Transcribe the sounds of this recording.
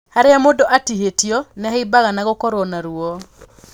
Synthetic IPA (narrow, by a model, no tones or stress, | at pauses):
haɾeamodɔʔatiɦetiɔnɪaibaɣanaɣokɔɾoɔnaɾuɔ